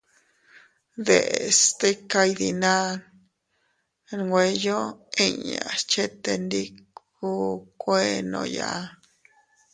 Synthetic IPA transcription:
d̪e˨st̪e˦ka˧jd̪i˧nã˦n | ɾŋɡʷe˧jo˦e˦˧ɲã̰˨st͡ʃe˦t̪e˧nd̪i˦k | u˦kʷe˦nõ̰˧ja̰˧˦˧

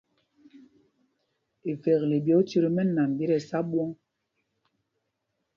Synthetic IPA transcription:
e˨vɛ˨ɣle˨bjɔ˦t͡ʃi˦ɾi˦mɛ˦na˨m˨bi˦ɾɛ˨sa˦ɓwɔ˦ŋ

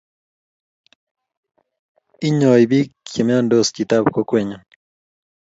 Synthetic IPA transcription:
i˦ɲɔ˨jbi˦je˨mja˦ndo˦ski˨ta˦bko˦kwe˨ɲa˨

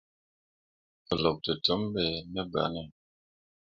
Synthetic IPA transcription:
ə˨lɔ˨k̚tə˨tə˦m˦bɛ˨nə˦ba̰˨nɛ˦˨

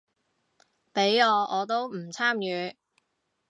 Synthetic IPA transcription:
pe˨˥jɔː˨˧ʔɔː˨˧t̪̬o˥wm̩˨˩t͡sʰaː˥mjyː˨˧

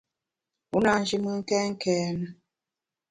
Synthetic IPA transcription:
u˦na˨n˦d͡ʒi˦mə˦ŋ̩˦kɛ˦ŋ̩˦kɛː˨˦nə˦

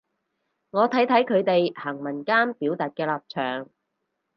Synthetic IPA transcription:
ŋɔː˨˧t̪ʰɐ˨˥jt̪ʰɐ˨˥jkʰɵ˨˧ɥt̪e˨jhɐ˨˩ŋmɐ˨˩nkaː˥npiː˨˥wt̪aː˨t̚kɛː˧laː˨p̚t͡ʃʰœː˨˩ŋ

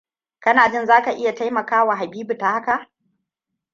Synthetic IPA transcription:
kɐ˦naː˨d͡ʒɪ˦nzaː˦ka˨ʔɪ˦ja˨ta˦jmɐ˨kaː˦wa˨ɦa˨biː˦bu˨ta˨ha˦ka˨ʔ

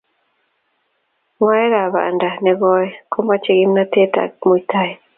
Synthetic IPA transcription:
ŋwa˦jɛ˦ɾa˨βa̰˨nda˨nɛ˨ɡɔ˦jɛ˦kɔ˦ma˦t͡ʃɛ˨ɡi˦mna˦te˦ta̰mu˨itʰa˦ɛ

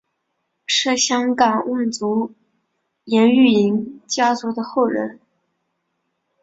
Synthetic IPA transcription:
ʂɻ̩˥˩ɕjɑ˥ŋkɑ˨˩ŋwa˥˩nt͡su˧˥ | jɛ˧˥ny˥˩i˧˥ŋt͡ɕja˥t͡su˧˥d̪ə˧xo˥˩ʊɻə̰˧˥n

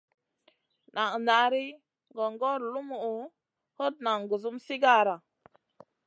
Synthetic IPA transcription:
na˨ŋ˨na˨ɾi˦ | ŋɡo˨ŋɡo˦ɾlu˦mu˨u˨ | ho˦t̚na˨ŋɡu˨zu˦msi˦ɡa˦ɾa˨

